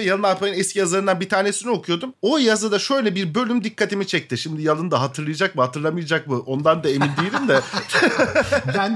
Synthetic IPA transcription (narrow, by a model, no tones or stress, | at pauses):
jalˠɯnaɾpajɯnɛscʰʲijazlˠaɾɯnd̪anbit̪ʰaːne̞sinio̞kʰujo̞d̪umo̞jazad̪aʃø̞jlʲɛbiɾbø̞lʲymd̪ikʰːat̪ʰimit͡ʃʰɛc̚t̪ɪʃimd̪ijalˠɯnd̪aɦat̪ʰɯɾlˠɯjad͡ʒak̚muhat̪ʰɯɾlˠamɯjad͡ʒak̚muʔo̞nd̪and̪aemind̪ijlʲimd̪ɛ